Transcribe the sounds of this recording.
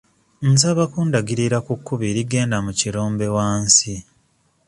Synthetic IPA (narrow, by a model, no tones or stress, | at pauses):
nsaβakuːndaɡiɾiɾakukːuβiːɾiɡe̞ːndamuciɾo̞ːmbe̞waːnsi